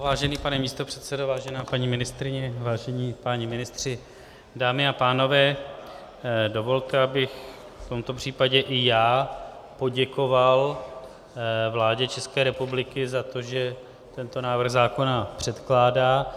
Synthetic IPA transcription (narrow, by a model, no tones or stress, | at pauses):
vaːʒɛniːpanɛmiːst̪o̞pr̥ɛt̪sɛdovaːʒɛnaːpaɲiːmɪnɪst̪ɾɪɲɛvaːʒɛɲiːpaɲimɪnɪst̪r̥ɪ | daːmɪapaːno̞vɛː | do̞vo̞lt̪ɛabɪx | ft̪o̞mt̪o̞pr̥iːpaɟɛʔɪjaːpo̞ɟɛko̞val | vlaːɟɛt͡ʃɛskɛːɾɛpublɪkɪzat̪o̞ʒɛ | t̪ɛnt̪o̞naːvr̩ɣzaːko̞napr̝̥ɛt̪klaːdaː